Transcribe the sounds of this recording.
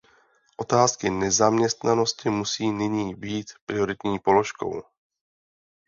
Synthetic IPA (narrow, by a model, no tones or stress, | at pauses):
ʔo̞t̪aːskɪnɛzamɲɛst̪nano̞scɪmusiːnɪɲiːbiːt̪pɾɪo̞ɾɪt̪ɲiːpo̞loʃko̞̰w